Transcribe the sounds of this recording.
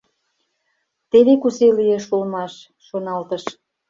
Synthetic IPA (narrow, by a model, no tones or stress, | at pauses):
t̪eβekuselijeʃulmɑʃː | onɑlt̪əʃ